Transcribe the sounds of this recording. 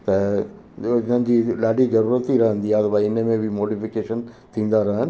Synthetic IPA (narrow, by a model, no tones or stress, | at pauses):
t̪ɐ | ɪn̤ənɪ̆d͡ʑiːlaːɖizɐɾuːɾət̪iɾɐɦə̃nd̪iaːt̪ɐbaɪnə̆mẽbɪmoːɖifɪkeːʃən | t̪ʰĩːn̆d̪aɾɐɦaɦɪnɪ̆